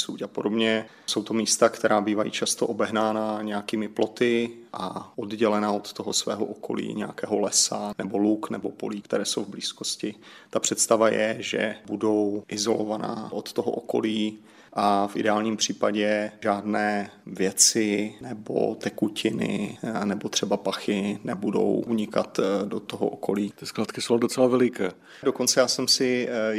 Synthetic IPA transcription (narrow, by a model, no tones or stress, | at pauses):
suːcapodobɲɛ | so̞wt̪omiːst̪akt̪ɛɾʔaːbiːvajḭːt͡ʃast̪o̞ʔobɛɦnaːnaɲɛjakiːmɪplo̞t̪ɪʔaʔodɟɛlɛnaʔot̪t̪oɦosvɛ̰ːɦoʔoko̞̰lḭːɲɛja̰kɛːɦo̞lɛsanɛbo̞luknɛbo̞po̞̰liːkt̪ɛɾɛːsowvbliːskoscɪt̪apr̝̥ɛt̪st̪avajɛʒɛ̰budo̞wʔɪzo̞lovana̰ːʔot̪t̪oɦo̰ʔoko̞̰liː | ʔafʔɪdɛaːlɲiːmpr̝̥iːpaɟɛʒaːdnɛːvjɛt͡sɪnɛbo̰t̪ɛkucɪnɪ̰nɛbo̞t̪r̥ɛbapaxɪnɛbudo̞̰wʔuɲɪkat̪do̞t̪oɦoʔoko̞liːt̪ɪsklaːt̪kɪsowdot͡sɛlavɛlɪkɛː | doko̞nt͡sɛjaːsɛmsɪ